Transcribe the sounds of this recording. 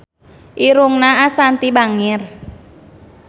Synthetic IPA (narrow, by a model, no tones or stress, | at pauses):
ʔiɾuŋnaʔasant̪ibaŋɪr